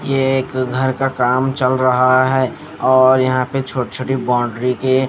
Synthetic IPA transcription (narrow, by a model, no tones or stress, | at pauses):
jeeːkɡʱəɾkakaːmt͡ʃəlɾəɦaɦɛː | ɔːɾjɐɦãpet͡ʃʰoːʈt͡ʃʰoːʈibaːʊ̃ɳɖɾike